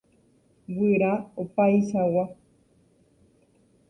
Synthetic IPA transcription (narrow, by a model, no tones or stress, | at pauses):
wɨɾaopajʃawa